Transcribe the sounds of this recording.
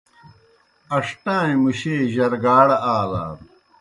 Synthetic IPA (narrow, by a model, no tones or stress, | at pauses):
ɐʂʈãːĩmuɕeːʑɐɾɡaːɽɐaːla̰ːɾ